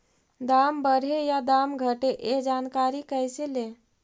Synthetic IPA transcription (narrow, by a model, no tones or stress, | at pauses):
d̪ambəɾ̤ejad̪amɡʱəʈeʔed͡ʒankaɾikəjsele